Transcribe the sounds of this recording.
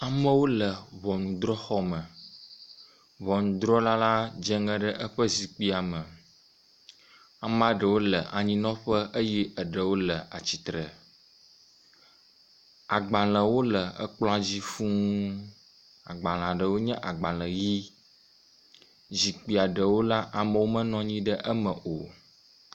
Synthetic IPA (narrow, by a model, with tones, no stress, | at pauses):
a˨mə̃˦wo˦lə˨βɔ˨nũ˨d̪ɾɔ˦xɔ˦mə˨ | βɔ˨nũ˨d̪ɾɔ˦la˦la˦d͡ʒɛ˦ŋɛ̃˦ɖə˦ʔə˦ɸə˦zi˨k͡pi˦a˨mə˨ | a˨m˦ã˦ɖə˨wo˦lə˨ʔa˨ɲĩ˦nɔ̃˦ɸə˦ʔə˦ji˦ʔə˨ɖə˨wo˦lə˨a˨t͡ɕi˨t̪ɾə˨ | a˨ɡ͡ba˨l̃ə̃˨wo˦lə˨ə̰˦k͡plɔ̃˦a˨d͡ʑi˦fũ˦ | a̰˨ɡ͡ba˨l̃ã˨ɖə˨wo˦ɲɛ̃˦ʔa˨ɡ͡ba˨lə̃˨ji˦ | zi˨k͡pi˨a˨ɖə˨wo˦la˦ʔa˨mə˨wo˦mə̃˦nɔ̃˦ɲĩ˦ɖə˦ʔə˦mə˨ʔo˨